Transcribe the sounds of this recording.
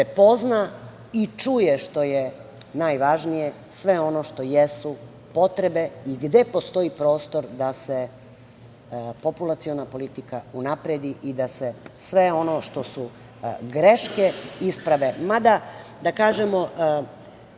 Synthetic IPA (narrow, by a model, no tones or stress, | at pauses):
pepo̞zna | it͡ʃujeʃt̪o̞jenaːjʋaʒnije̞ | sʋe̞o̞no̞ʃt̪o̞jesu | po̞t̪ɾe̞be̞iɡd̪e̞po̞st̪o̞ipɾo̞ːst̪o̞ɾd̪ase̞ | po̞pulˠat̪sio̞napo̞lit̪ikaunapɾed̪iʔid̪ase̞sʋe̞o̞noʃt̪o̞su | ɡɾe̞ʃke̞ispɾaʋe̞mad̪ad̪akaːʒemo